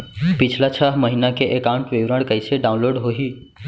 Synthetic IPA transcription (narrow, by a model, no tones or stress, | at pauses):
pɪt͡ʃʰlat͡ʃʰaːɦməɦinakeʔekaːʊ̃ɳʈʋeʋɾəɽkəɪseɖaːʊ̃nloːɖɦoɦiː